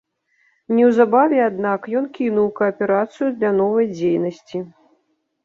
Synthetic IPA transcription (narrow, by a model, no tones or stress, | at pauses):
nʲɛwzabavʲɛad̪nakjɔnkʲinuwkɐɐpʲɛɾat̪sɨjud̪lʲan̪ɔvɐjd͡zʲejnɐsʲt͡sʲi